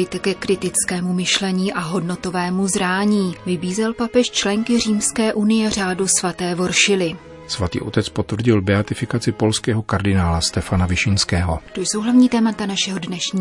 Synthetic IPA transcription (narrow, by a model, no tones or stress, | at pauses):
ɪt̪ɛkɛkɾɪt̪ɪt͡skɛːmumɪʃlɛɲiːʔaɦo̞dno̞t̪o̞vɛːmuzɾaːɲiːvɪbiːzɛlpapɛʃt͡ʃlɛŋkɪr̝iːmskɛːʔunɪjɛr̝aːdusvat̪ɛːvo̞ɾʃɪlɪ | svat̪ḭːʔo̞t̪ɛt͡spo̞t̪vr̩ɟɪlbɛat̪ɪfɪkat͡sɪpo̞lskɛːɦo̞kaɾdɪnaːlast̪ɛfanavɪʃɪnskɛːɦo̞t̪o̞jso̞wɦlavɲiːt̪ɛːmat̪anaʃɛɦo̞dnɛʃɲiː